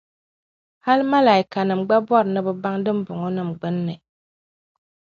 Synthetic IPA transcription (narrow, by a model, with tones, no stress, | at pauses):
ha˦lma˦la˨i˨˦ka˨nɨ˨mɡ͡ba˦bɔ˦ɾɨ˨nɨ˦bɨ˦ba˦ŋdɨ˦m˦bʊ˨ŋo˦nɨ˦˨mɡ͡bɨ˦nːɨ˨